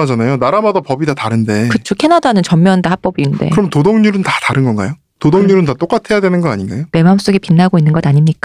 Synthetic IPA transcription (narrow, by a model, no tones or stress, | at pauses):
ad͡ʑanajonaɾamadapʌbidataɾɯnde̞kɯt͡ɕʰokʰe̞nadanɯnt͡ɕʌmːjʌndahap͈ʌbiːnde̞̰kɯɾʌmntodoŋɲuɾɯntataɾɯnɡʌnɡa̰jo | todoŋɲuɾɯntat͈ok͈atʰe̞jadwe̞nɯnɡʌnaɲinɡa̰jome̞mams͈oɡipinːaɡoinːɯnɡʌdaɲimɲik͈a